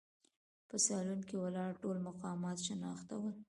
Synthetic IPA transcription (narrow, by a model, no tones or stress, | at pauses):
pəsɑlunkewəlɑɽʈolmʊqɑmɑt̪ʃənɑxt̪a̰wəl